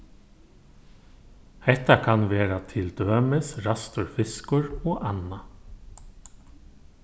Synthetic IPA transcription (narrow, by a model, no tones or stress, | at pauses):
hɛt̪akʰɑnʋeːɾat̪ʰɪld̪øːmɪsɾɑst̪ʊɹfɪskʊɹoːʔɑna